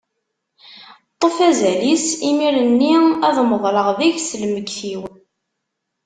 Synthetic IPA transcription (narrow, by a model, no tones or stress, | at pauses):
t̪ˤːofæzælisimiɾənːiæðməðˤləʁðiʝslməɡθiw